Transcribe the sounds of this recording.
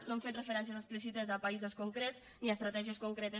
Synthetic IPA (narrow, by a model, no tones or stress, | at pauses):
eɱfet̪refəɾɛns̬iəzəsplis̬it̪əzapaizoskuŋkɾett͡s | niast̪ɾat̪ɛʒiəskuŋkɾet̪ə